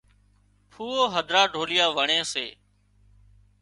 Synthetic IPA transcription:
pʰuːoːɦəd̪ʱɾaːɖʱoːlɪjaːʋəɳẽːseː

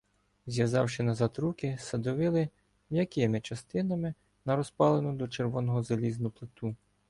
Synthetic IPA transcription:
zʲjɐzɑwʃɪnɐzɑt̪ɾukɪsɐd̪ɔʋɪlˠɪ | mjɐkɪmɪt͡ʃɐst̪ɪnɐmɪ | nɐɾɔspɑlˠenɔd̪ɔt͡ʃerʋɔnɔɦɔzɐlʲiznʊplˠɪt̪u

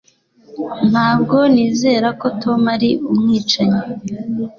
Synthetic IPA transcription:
n̥haːb̚ɡo̞niːze̞ːɾako̞tʰo̞maɾiʔumŋiːt͡ʃaɲe

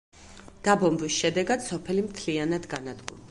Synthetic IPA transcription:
d̪̥abɔmbisʃɛd̪ɛɡad̪sɔpʰɛlimt̪ʰlianad̪ɡanad̪ɡṵɾ

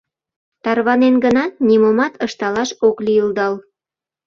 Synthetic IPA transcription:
t̪ɑrβɑnenɡənɑt̪nimomɑt̪əʃt̪ɑlɑʃokliəld̪ɑl

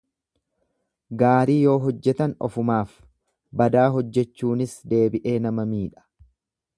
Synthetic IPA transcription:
ɡaːɾiːjo̞ːɦɔd͡ʒːɛt̪ɐnɔ̰fʊmaːf | bɐd̪aːɦɔd͡ʒːɛt͡ʃːuːnɪsd̪e̞ːbɪʔe̞ːnɐmɐmiːᶑɐ̥

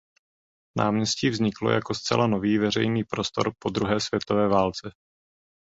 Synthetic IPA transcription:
naːmɲɛsciːvzɲɪklo̰jako̞st͡sɛ̰lanoviːvɛr̝ɛ̰jniːpɾo̞st̪o̞̰ɾpo̞d̪ɾuɦɛːsv̥jɛt̪o̞vɛːvaːlt͡sɛ

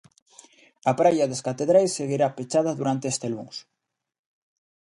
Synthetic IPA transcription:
ɐpɾajɐðeskat̪eðɾajsːeɣiɾapet͡ʃaðɐðuɾant̪eest̪elṵŋs

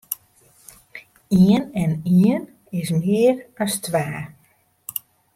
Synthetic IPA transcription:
iənɛniən | ɪsmɪərəstʋaː

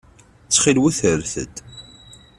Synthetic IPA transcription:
t͡sːχilwæθəɾθə̰d̪

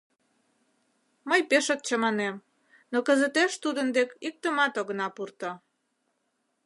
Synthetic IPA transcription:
məjpeʃək̪̚t͡ɕəmɑnem | nokə̆zə̆t̪eʃt̪ud̪ənd̪ekik̚t̪əmɑt̪oɣənɑpurt̪o

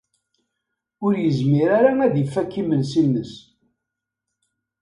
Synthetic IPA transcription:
ʊɾjəzmiɾaɾaæðifːækːimənsinːəs

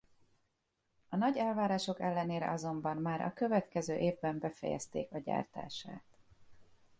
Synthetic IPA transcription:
ɒnɒɟɛlvaːɾaːʃo̞kɛlːɛneːɾɛ̰ʔɒzo̞mbɒmmaːɾʔɒ̰kø̞vɛt̪kɛzøːʔeːvbɛmbɛfɛ̰jɛ̰st̪ḛːkɒɟa̰ːrt̪a̰ːʃa̰ːt̪

